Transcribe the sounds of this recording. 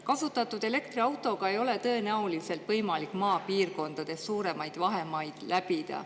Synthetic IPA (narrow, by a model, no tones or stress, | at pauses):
kɑsut̪ːˑɑt̪ːˑud̪̥e̞le̞kt̪riɑwt̪ˑo̞ɡ̥ɑe̞jo̞le̞t̪ɤ̞enæolise̞lt̪vɤjmɑlikːˑmɑːpiːrko̞nd̪̥ɑd̪̥e̞ssuːɾe̞mɑjd̪̥vɑɦe̞mɑjd̪̥læb̥id̪̥ɑ̰